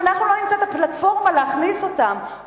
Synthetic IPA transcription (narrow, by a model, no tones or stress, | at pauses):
naχnulo̞nimt͡sat̪aplat̪fo̞ʁmaleaχniso̞t̪am